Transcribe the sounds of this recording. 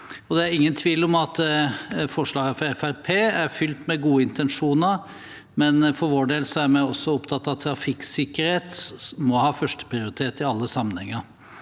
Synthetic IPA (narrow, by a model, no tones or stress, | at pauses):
ɔd̪ɛæɾɪŋːənt̪ʰʋiːlɔmɑt̪ | fɔʂɭɑːɡəfɔɾɛfæɾpʰeːæɾfʏlt̪mɛɡuːəɪnt̪ɛnʂuːnəɾ | mɛnfɔɾʋoːɖeːlsɔæɾmæɪɔsːɔʊpt̪ʰɑt̪ːɑʋt̪ʰːɾɑfɪksɪkəɾheːt̪mɔhɑːfœʂʈə̥pʰɾɪʊɾɪt̪ʰeːt̪ɪɑlːəsɑmːənhɛŋːəɾ